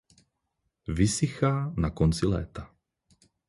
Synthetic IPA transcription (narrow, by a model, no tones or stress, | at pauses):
visixaːnakɔnt͡silɛ̰ːt̪a